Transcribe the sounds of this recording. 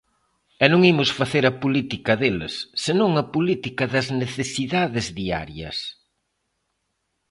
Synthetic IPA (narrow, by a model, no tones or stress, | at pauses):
ɛnõŋimʊsfaθeɾɐpulit̪ikɐðelɪ̰sːenõŋɐpulit̪ikɐðɐzneθesiðaðɪzðia̰ɾjɐ̰s